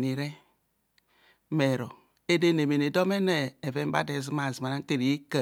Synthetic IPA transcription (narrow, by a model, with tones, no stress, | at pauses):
ni˨ɾe˦ | me˨ɾo˨ | e˦de˦ne˨me˨ne˨do˦me˦neː˨ve˦m˦ba̰˦de˨zi˦ma˨zi˨ma˨na˦n˦te˦ɾi˨i˦ka˨